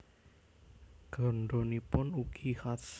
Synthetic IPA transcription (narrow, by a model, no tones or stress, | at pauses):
ɡ̥ɔ̤nɖɔnipʊnukixats